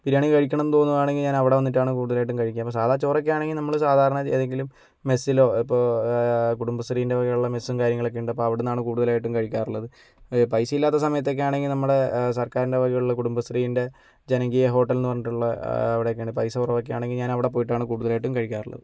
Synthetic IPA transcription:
piɾaːɳikɐɻikʲːɐɳɐmnt̪o̞nːɐðaːɳe̞ŋɡilɲaːnɐʋiɽe̞ʋɐnːiʈːaːɳɨkuːɽuðɐlaːjiʈːumkɐɻikʲːaːmpːosaːd̪at͡ɕːoːrokːejaːɳe̞ŋɡilnɐmːɐɭsaːd̪ʱaːɾɐɳɐt͡ɕeːðeŋɡilumː | e̞sːiloːipːoːkuɽumbɐsriːinde̞ʋɐɣɐuɭːɐme̞sːumkaːɾjɐŋːɐɭo̞kːeuɳɖɨpːoɐʋiɽenːaːɳɨkuːɽuðɐlaːjiʈːumkɐɻikʲːaːruɭːɐðɨ | pɐjsɐjilːaːt̪ːɐsɐmɐjɐt̪̬ːeo̞k̬ːejaːɳe̞ŋɡilnɐmːɐɽe̞sɐrkaːɾinde̞ʋɐɣɐɭuɭːɐkuɽumbɐst̪riːjinde̞ | d͡ʑenɐŋɡijɐɦo̞ːʈːɐlinːɨpɐrɲiʈːuɭːɐːʋiɽekːeːɳɖɨpɐjsɐpːurɐʋok̬ːejaːɳe̞ŋɡilɲaːnɐʋiɽe̞p̬o̞ːjiʈːaːɳɨkuːɽuðɐlaːjiʈ̬ːumkɐɻikʲːaːruɭːɐ̰ðɨ

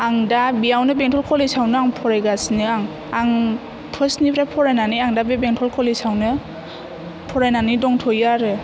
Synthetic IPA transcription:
aŋdabijawnɯbɛŋtʰɔlkʰɔlisawnɯaŋpʰɔɾajɡasnɯaŋ | aŋ | tʰɔsnipʰɾapʰɔɾajnaniaŋdabebeŋtʰɔlkʰɔlisawnɯ | pʰɔɾajnanidɔŋtʰɔjaɾɯ

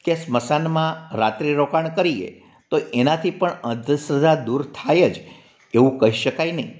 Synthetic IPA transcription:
kesməsanmãɾat̪ɾiɾokaɳkəɾiḛ | t̪oʔenat̪ʰipəɳə̃d̪ʱjəsɾəd̪ʱad̪uɾt̪ʰajed͡ʒ | eʋũkəɦiʃəkajnəɦḭ̃

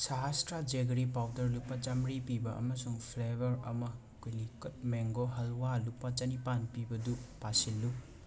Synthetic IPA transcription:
saɦastɾad͡ʒeɡɾipawdɐɾlupːat͡ʃɐmɾipibɐɐ̰mɐsuŋpʰlebɐɾɐ̰mɐ | kojlikɐt̚meŋɡoɦɐlwalupːat͡ʃɐnipanpibɐdupasilːu

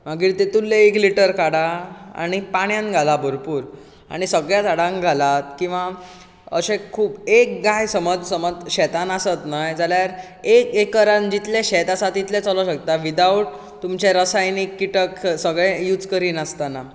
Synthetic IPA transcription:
m̤aɡiːɾt̪et̪ulːeekliʈəɾkaɽaa̰ɽ̃ipaɽjãnɡʱalabʱəɾpuːɾ | a̰ɽ̃isəɡɭjat͡saɽãŋɡʱalat̪kĩw̃ʋa | ə̰ɕẽkʰuːbek̚ɡajsəməd͡zsəməd͡zɕɛt̪anasət̪najd͡zaljaɾ | ekekːəɾand͡ʑit̪lɛ̃ɕɛt̪asat̪it̪lɛt͡səloɕək̚t̪aʋid̪awʈ | t̪umt͡ɕeɾəsajnikːiʈəksəɡɭɛjuːd͡zkəɾiːnast̪ana

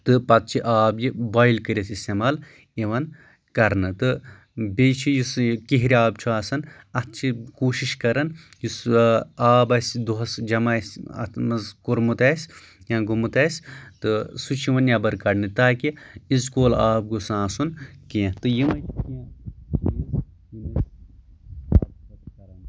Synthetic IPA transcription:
t̪ɨpɐt̪̚t͡ʃʰiʔaːbjibajlkɨɾʲisist̪emaːl | iʋɐn | kɐɾnɨt̪ɨ | bet͡ʃʰijiskiɦiɾʲiaːb̚t͡ʃʰuaːsɐn | ɐt̪̚t͡ʃʰikuːʃiʃkɐɾɐn | jisaːbɐsʲd̪uɦɐsd͡ʒɐmɐsɐ̰mɐzkuɾmut̪ɐːsʲ | jãːɡumut̪ɐːsʲt̪ɨsut͡ʃʰiʋɐnjabɐɾkɐɽnɨt̪aːkiizkoːlaːb̚ɡusãːsunkeẽt̪ɨjimɐ̃ | jimɐ | aːɐkɐɾɐn

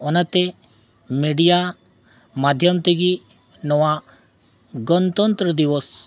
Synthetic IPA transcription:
ɔnɐt̪e | miɽija | mad̪ʱjəmt̪eɡi | nɔʋa | ɡənt̪ɔnt̪ɾəd̪iʋəs

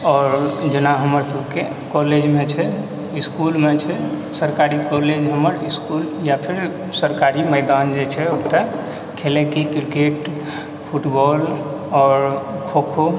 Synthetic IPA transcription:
ɔːɾd͡ʒənaɦəməɾsəbʱke | kɔled͡ʒmet͡ʃʰɛ | iskulmet͡ʃʰɛ | səɾkaɾikɔled͡ʒɦəməɾiskuljapʰiɾ | səɾkaɾiməɪd̪and͡ʒet͡ʃʰɛobt̪ə | kʰelekekɾikeʈ | pʰuʈbɔl | ɔːɾkʰokʰo

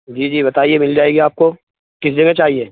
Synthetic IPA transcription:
d͡ʒiːd͡ʒiːbɐt̪aːiemɪld͡ʒaːeːɡiaːp̚ko | kɪs̬d͡ʒɐɡet͡ʃaːɦieː

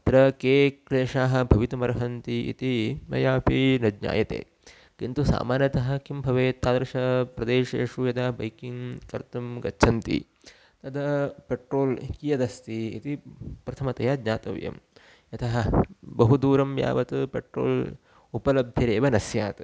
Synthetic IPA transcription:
t̪ɾɐkeːkɾeːʂaːɦɐ̆bʱɐʋit̪ɐmɐɾɐɦɐnt̪iḭt̪imɐ̰jaːpinɐd̪ɲa̰ːjɐt̪ḛː | kint̪usa̰ːmaːnjɐt̪ɐɦɐ̆kimbʱɐʋeːt̪ːaːd̪ɾɐʃɐpɾɐd̪eːʃeːʂujɐd̪ɐbɐ̰jkiŋkɐ̰ɾt̪ɐmɡɐt͡ʃːʃʰɐnt̪ḭ | t̪ɐd̪ɐpeʈɾoːlkijɐd̪ɐst̪iḭt̪ipɾɐt̪ʰɐmɐt̪ɐjaːd̪ɲaːt̪ɐ̰ʋjɐ̰m | ɐt̪ɐɦɐbɐɦud̪uːɾɐmja̰ːʋɐt̪ɨpeʈɾo̰ːl | upɐlɐbd̪ʱjɐɾeːʋɐnɐsjaːt̪

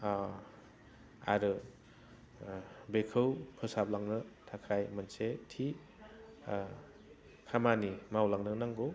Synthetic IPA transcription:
a̰ɾɯ | bekʰɯwkʰɯsap̚laŋnɯtʰakʰajmansetʰi | kʰamanimawlaŋnɯnaŋɡo

